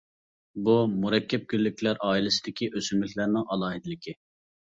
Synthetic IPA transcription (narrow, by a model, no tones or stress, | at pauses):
bumuɾɛkʲʰːɛp̚kʲylːykʲlæɾʔɑːilɪsɪd̪ɪkʲʰiʔøsymlɪkʲlæɾnɪŋɑlˠɑːɦɪd̪ɪlɪkʲʰɪ